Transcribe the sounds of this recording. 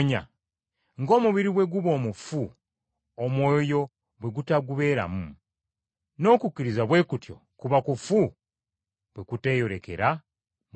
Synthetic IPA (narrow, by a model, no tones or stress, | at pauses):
ɲa̰ | ŋɡo̞ːmuβiɾiβwe̞ɡuβo̞ːmufu | omwo̞ːjo̞ | βwe̞ɡutaɡuβe̞ɾa̰mu | no̞ːkukːiɾizaβwe̞ːkutjo̞̰ | kuβakufu | βwe̞kute̞ːjo̞ɾe̞ke̞̰ɾa | m